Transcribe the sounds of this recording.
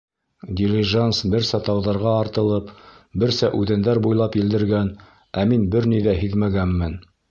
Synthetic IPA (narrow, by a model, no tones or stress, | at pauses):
d̪ʲiɾʲɪʒansbɘɾsæt̪ɑwðɑɾʁɑːɾt̪ɤ̆lˠɤpbɘɾsæʔʉðænd̪æɾbujlˠɑpjĭld̪ɘ̆ɾɡæn | æminbɘɾniðæɦiðmæɡæmːɘn